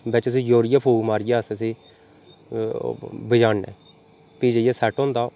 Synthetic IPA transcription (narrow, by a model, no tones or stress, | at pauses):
bɛt͡ʃəs̬ĩːd͡ʒoːɾɪjaːpʰuːɡmaːɾɪjaːsəsĩː | bəd͡ʒaːnnɛ̰ː | piːd͡ʒəjaːsɛːʈõːnd̪aː